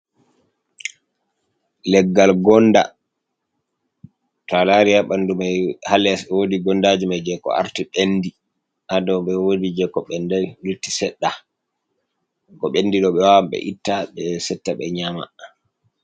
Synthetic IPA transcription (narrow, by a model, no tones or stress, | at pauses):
lɛɡːalɡɔnːda̰ | talaɾijaɓandumajhalːɛswodiɡɔndad͡ʒimajd͡ʒɛkɔ̰a̰ɾtiɓenːdi | ʔadɔwɓɛwodid͡ʒɛkɔɓɛndajlutːisɛɗːa | kɔɓenːdiɗɔɓɛwawamɓɛ̰ʔitːaɓɛsɛtːaɓɛɲama̰